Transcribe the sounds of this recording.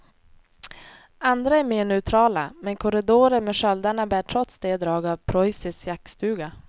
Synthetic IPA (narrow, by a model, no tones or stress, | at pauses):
and̪ɾaɛɾmeːɳœt̪ʰɾɑːla̰mɛnkʰʊɾɪd̪oːɾəɾmeːʂœld̪aɳabæːʈʰɾɔt̪sd̪eːd̪ɾɑːɡavpʰɾɔjsɪsjak̚st̪ʉ̟ːɡa